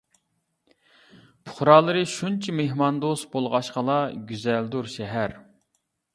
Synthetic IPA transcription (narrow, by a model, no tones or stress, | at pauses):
pʰʊ̥χɾɑːlˠɨɾɨʃunt͡ʃʰɛmeɦmɑnd̪ost̪̚bolˠʁɑʃqəlˠɑɡʲyzɛld̪uɾʃɛɦæɾ